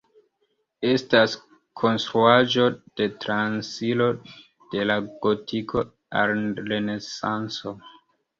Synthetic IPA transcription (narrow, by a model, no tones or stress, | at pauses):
e̞stas | kʰo̞nstɾuaʒo̞d̥e̞tɾansilo̞ | d̥e̞laɡ̥otʰikʰo̞ | a̰ɾlenesanso